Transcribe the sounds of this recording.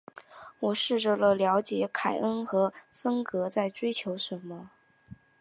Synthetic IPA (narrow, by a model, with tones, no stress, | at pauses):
wɔ˨˩ʂɻ̩˥˩ʈ͡ʂə˥˩lə˩ljɑ˧˥ʊt͡ɕjɛ˨˥˦kʰa˨˩ɪʔə˥nxɤ˧˥fə˥nkɤ˧˥t͡sa˥˩ɪʈ͡ʂwe˥ɪt͡ɕʰjo˧˥ʊʂə˨˩nmə˧